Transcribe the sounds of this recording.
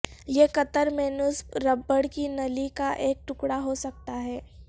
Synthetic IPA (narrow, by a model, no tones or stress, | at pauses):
jekɐt̪əɾmeːnʊsɾɐbːəɽkinɐlikaʔeːk̚ʈʊkɽaɦosɐk̚t̪aɦɛː